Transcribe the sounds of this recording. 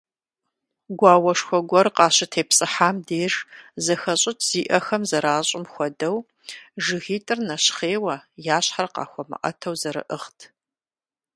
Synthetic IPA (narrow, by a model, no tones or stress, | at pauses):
ɡʷɑːwɐʂxʷɔɡʷɔrqɑːɕɪtʰeːpsʼɨħaːmdeːʐzɐxɐɕʼɪtʰz̥iːʔɐxɐmzɐɾaːɕʼɪmxʷɔdɐw | ʐɨɣiːtʼɨrnɐɕχeːwɐjaːɕħarqɑ̰ːxʷɔmɨ̰ʔɐ̰tʰɐwzɐɾɨ̰ʔɨχtʰ